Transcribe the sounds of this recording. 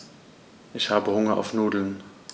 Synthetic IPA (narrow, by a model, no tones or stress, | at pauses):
ʔɪçhaːbəhʊŋɐʔa̰ʊfnuːdl̩n